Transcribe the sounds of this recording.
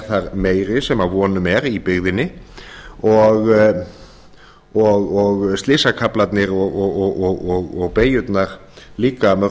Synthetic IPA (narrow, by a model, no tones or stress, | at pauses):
θaɾmeːjɾɪsɛmavɔːnʏmɛɾipɪɣðɪnːɪ | ɔɣ | ɔɣɔɣst̪lɪːsakʰaplat̪nɪɾɔɣɔɣɔɣɔɣɔɣɔɣpeːjʏt̪naɾ̥liːkamœ